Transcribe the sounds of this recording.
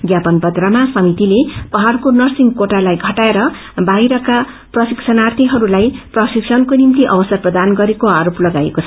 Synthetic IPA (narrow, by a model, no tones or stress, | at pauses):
ɡjapʌnbʌd̪ramasʌmit̪ilepʌɦarkonʌrsiŋɡkoʈalajɡʱʌʈaeɾʌ | bajɾʌka | prʌsiksʰʌnart̪ʰiɦʌɾulajprʌsiksʰʌnkonimt̪iʔʌbʌsʌrprʌd̪anɡʌɾekoaɾoplʌɡaḛkot͡sʰʌ